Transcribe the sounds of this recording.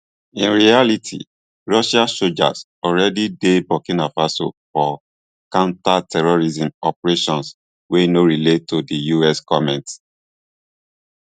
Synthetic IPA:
ĩnɹialitʰḭ | ɹɔʃasod͡ʒa̰s | ɔlɹɛdidebɔkĩnafaso̰fɔ | kãʊ̃ntatʰɛɹɔɹizĩmɔpɹeʃɔ̃ns | wenoɹiletʰːodijuɛskɔmɛ̃nt

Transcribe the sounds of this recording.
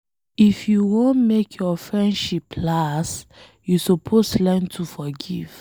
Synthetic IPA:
ifjuwõnmekʰjɔfɹɛ̃ndʃipʰlas | jusupʰoslãɪ̃ntʰufɔɡiv̥

